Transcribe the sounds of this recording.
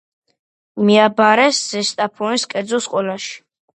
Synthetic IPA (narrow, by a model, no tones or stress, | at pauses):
miabaɾɛsz̥ɛst̪ʼapʰɔniskʼɛɾd̪zɔsqʼɔlaʃi̥